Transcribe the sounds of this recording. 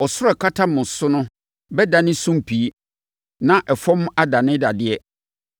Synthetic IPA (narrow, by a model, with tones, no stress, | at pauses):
ɔ˨sʊ˦ɔ˦˨kʰa˦tʰa˦mʊ̃˨sʊ˦nʊ̃˦ | bɛ˦dã˨nɪ̃˦sũ˦m˦pʰi˨˦ | nã˨ʔɛ˨fɔ̃˦m̃˦a˦da˨nɪ̃˦da˨dɪ˦ɛ˦